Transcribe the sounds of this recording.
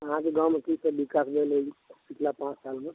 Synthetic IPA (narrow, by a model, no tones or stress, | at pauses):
əɦãkeɡãwmẽk̪isəbikakb̪eleisikʰlapãt͡ʃsaːlme